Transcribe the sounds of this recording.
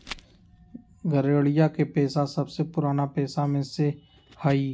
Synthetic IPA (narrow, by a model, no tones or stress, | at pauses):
ɡəɾeːɽɪjakepɛːsasəbsepʊɾaːnapɛːsamẽse | haːiː